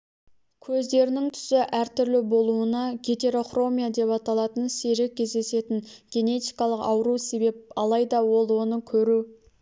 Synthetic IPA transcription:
kʲʰɵzd̪e̞ɾɪnɪŋt̪ʰʏ̥sɪʔæɾt̪ʰʏɾlɪbo̞lˠuənɑɡʲe̞t̪e̞ɾo̞χro̞mijad̪e̞pɑt̪ɑlˠɑt̪ənseɾek̚ʲʰːe̞zd̪e̞se̞t̪ɪŋɡʲe̞ne̞t̪ijkɑlˠəqɑ̰wɾuse̞be̞p̚ɑlˠɑjd̪ɑwo̞lˠwo̞nəkʲʰɵɾu

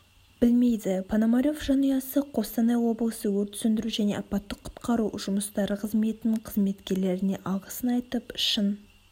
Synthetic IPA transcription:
b̥ɪlme̞jd̪ɪpʰanomaɾʲjo̞fʒɑnijɑsəqʰo̞st̪ɑnɑwo̞blˠəsəwɵɾt̪ʰʏ̥sʏnd̪ɪɾuʒæne̞ʔɑpɑt̪ːəqʰʊ̥t̪qɑɾuʒ̥ʊməst̪ɑɾəqʰəzme̞t̪ɪnɪɴqʰəzme̞t̪kʲe̞ɾle̞ɾɪne̞ʔɑʁəsənɑjt̪əpɪʃən

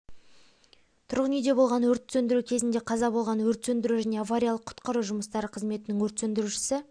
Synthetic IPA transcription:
t̪ʰʊɾʁənijd̪e̞bo̞lˠʁɑnwɵɾt̪sɵnd̪ɪɾukʲʰe̞zɪnd̪e̞qʰɑzɑbo̞lˠʁɑnwɵɾt̪sɵnd̪ɪɾuʒæne̞avaɾʲijalˠəqʰːʊ̥t̪qɑɾuʒʊməst̪ɑɾəqʰəzme̞t̪ɪnɪŋwɵɾt̪sɵnd̪ɪɾuʃɪ̥sɪ

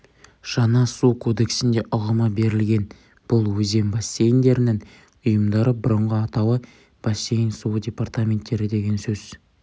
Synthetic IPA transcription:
ʒ̥ɑnɑsukʰo̞d̪e̞ksɪnd̪e̞ʔʊʁəmɑbe̞ɾɪlɡʲe̞n | b̥ʊlˠwɵze̞mbɑsʲːe̞jnd̪e̞ɾɪnɪŋ | ʊjəmd̪ɑɾəbʊɾəɴʁəɑt̪ɑwə | b̥ɑsʲːe̞jnsuwdʲe̞part̪amʲe̞nt̪ːe̞ɾɪd̪e̞ɡʲe̞nsɵz

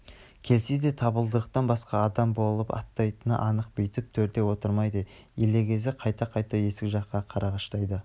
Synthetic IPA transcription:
kʲʰe̞lsed̪e̞t̪ʰɑbəlˠd̪əɾəq̚t̪ɑnbɑsqɑɑd̪ɑmbo̞lˠəpɑ̰t̪ːɑjt̪ənə̰ʔɑnəq̚bejt̪ɪp̚t̪ʰɵɾt̪e̞wo̞t̪əɾmɑjd̪ejele̞kʲʰe̞zɪqʰɑjt̪ɑqʰɑjt̪ɑje̞sɪkʒɑqːɑqʰɑɾɑʁɑʃt̪ɑjd̪ə

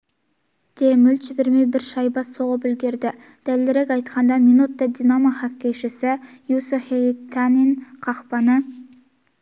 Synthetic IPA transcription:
d̪̥emʏlt̪t͡ʃɪbɪɾmejbɪɾʃɑjbɑsoʁəpʏlɡʲe̞ɾd̪ɪ | d̪̥ælːɪɾekʲɑjt̪qʰɑnd̪ɑminut̪ːɑd̪inamaχɑkʲːejʃɪsɪjusefet̪ʰːɑninqʰɑqpɑnə

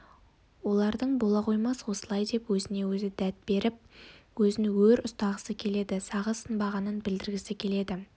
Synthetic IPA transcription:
wo̞lˠɑɾd̪əɴbo̞lˠɑqʰo̞jmɑswo̞səlˠɑjd̪e̞pwɵzɪne̞wɵzɪd̪æt̪̚be̞ɾɪp̚wɵzɪnɪwɵɾʊst̪ɑʁəsəkʲʰe̞le̞d̪ɪsɑʁəsənbɑʁɑnənbɪld̪ɪɾɡʲɪsɪkʲʰe̞le̞d̪ɪ

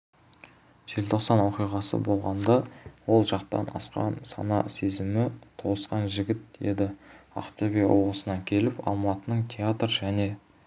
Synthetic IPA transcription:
ʒ̥e̞lt̪ʰo̞qsɑnwo̞qijʁɑsə̰bo̞lˠʁɑnd̪ɑwo̞lˠʒɑqt̪ɑ̰nɑ̰sqɑ̰nsɑ̰nɑ̰se̞zɪmɪt̪ʰo̞lˠəsqɑnʒɪɡʲɪt̪̚e̞̰d̪ɪɑ̰q̚t̪ovʲijwoʁˠəsənɑŋkʲʰe̞lɪpɑ̰lˠmɑt̪ənəɴt̪ʲʰeat̪ɾəʒæne̞

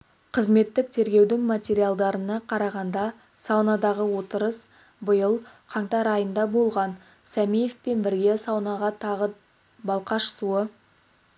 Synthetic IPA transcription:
qʰəzme̞t̪ːɪk̚t̪ʰe̞ɾɡʲe̞wd̪ɪŋmat̪ʲe̞ɾijalˠd̪ɑɾənɑqʰɑɾɑʁɑnd̪ɑ | sɑwnɑd̪ɑʁəwo̞t̪əɾəs | bəjəlˠqʰɑŋt̪ɑɾɑjənd̪ɑbo̞lˠʁɑn | sæmijefpe̞nbɪɾɡʲe̞sɑwnɑʁɑt̪ʰɑʁə | bɑlˠqɑʃəsuə

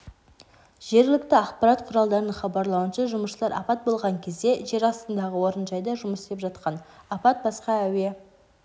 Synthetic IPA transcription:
ʒ̥e̞ɾɡʲɪlɪkt̪ɪɑqpɑɾɑt̪qʰʊɾɑlˠd̪ɑɾənəɴχɑbɑɾlˠɑwənʃɑʒʊməsʃəlˠɑɾʔɑ̰pɑt̪̚bo̞lˠʁɑŋkʲʰe̞zd̪e̞ʒe̞ɾɑst̪ənd̪ɑʁəwo̞ɾənʒɑjd̪ɑʒʊməsd̪ʲepʒɑt̪qɑnɑpɑt̪̚bɑsqɑæwe̞

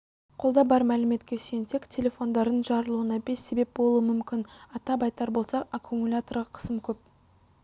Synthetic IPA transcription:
qʰolˠd̪ɑbɑɾmælɪme̞t̪kʲesensekʲtʲʰe̞lʲe̞fo̞nd̪ɑɾd̪ənʒɑɾəlˠuənɑbe̞sːe̞be̞p̚bo̞lˠuəmʏmkʲɪnɑt̪ɑbɑjt̪ɑɾbo̞lˠsɑakʰumulʲat̪orʁɑqʰə̥səmkʲʰɵp̚

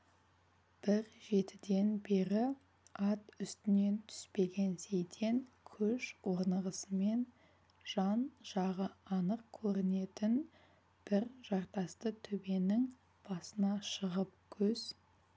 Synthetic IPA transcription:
b̥ɪɾʒe̞t̪ɪd̪e̞nbe̞ɾɪ | ɑt̪ʏst̪ɪne̞nt̪ʰʏ̥spe̞ɡʲe̞nse̞jt̪ʰe̞ŋ | kʲʰɵʃwoɾnəʁəsəme̞n | ʒ̥ɑnʒ̥ɑʁəɑnəq̚kʲʰɵɾɪne̞t̪ɪn | b̥ɪɾʒ̥ɑɾt̪ɑst̪ət̪ʰɵbe̞nɪŋ | b̥ɑsənɑʃəʁəp̚kʲʰɵz̥

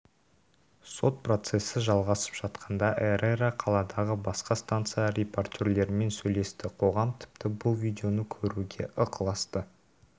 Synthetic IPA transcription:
so̞t̪̚pro̞t̪se̞sɪʒɑlˠʁɑsə̥pʒ̥ɑt̪qʰɑnd̪ɑʔeɾeraqʰɑlˠɑd̪ɑʁəbɑsqɑst̪ant̪sɨjaɾʲe̞po̞rt̪ʲeɾle̞ɾɪme̞nsɵjle̞st̪ɪqʰo̞ʁɑmt̪ʰɪ̥pt̪ɪbʊlˠvʲijd̪ʲe̞o̞nəkʲʰɵɾuɡʲe̞̰ʔəqəlˠɑst̪ə

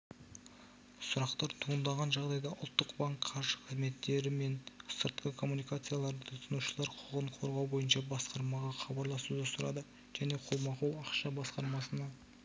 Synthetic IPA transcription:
sʊɾɑqt̪ɑɾt̪ʰuənd̪ɑʁɑnʒɑʁd̪ɑjd̪ɑʔʊlˠt̪ːəqbaŋkqʰːɑɾʒəqʰəzme̞t̪ːe̞ɾɪme̞nsəɾt̪qəkʰo̞mːunijkat̪sɨjalˠɑɾd̪ət̪ʰʊt̪ʰənuʃəlˠɑɾqʰʊʁəɴqʰo̞ɾʁɑwbo̞jənʃɑbɑsqɑɾmɑʁɑχɑbɑɾlˠɑsud̪əsʊɾɑ̰d̪ə | ʒ̥æne̞qʰolˠmɑqulˠɑqʃɑbɑsqɑɾmɑsənɑ

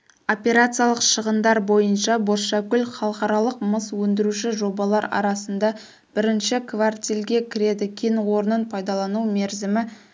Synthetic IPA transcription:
o̞pʲe̞ɾat̪sɨjɑlˠəqʃəʁənd̪ɑɾbo̞jənʃɑboʃɑkʲʏlχɑlˠəqɑɾɑlˠəqməswɵnd̪ɪɾuʃɪʒo̞bɑlˠɑɾɑ̰ɾɑsənd̪ɑ | b̥ɪɾɪnʃɪkʰvart̪ʲilʲɡʲe̞kʲʰɪɾe̞d̪ɪkʲʰenwo̞ɾənənpʰɑjd̪ɑlˠɑnumeɾzɪmɪ

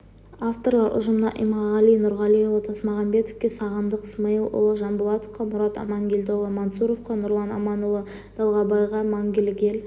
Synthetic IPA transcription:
aft̪o̞rlˠɑɾʔʊ̰ʒəmnɑʔḭjmɑʁɑlijnʊɾʁɑlijolˠət̪ʰɑsmɑʁɑmbe̞t̪ofkʲe̞sɑʁənd̪əqsmɑjəlˠʔo̰lˠəʒɑmbʊlˠɑt̪ofqɑmʊɾɑt̪ɑ̰mɑŋɡʲelʲd̪olˠəmansuɾofqɑnʊɾlˠɑnɑ̰mɑnolˠə | d̪̥ɑlˠʁɑbɑjʁɑmɑŋɡʲelɡʲe̞l

